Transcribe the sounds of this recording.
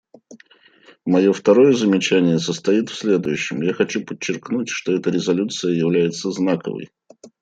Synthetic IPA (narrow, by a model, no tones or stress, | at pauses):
mɐjo̞ft̪ɐɾo̞jəzəmʲɪt͡ɕænʲɪjəsəst̪ɐjit̪fsʲlʲed̪ʊjʉɕːɪmjaxɐt͡ɕupət͡ɕːɪrknutʲʂt̪o̞ɛt̪əɾʲɪzɐlʲut̪sɨjəjɪvlʲæjɪt̪səznakə̰və̰j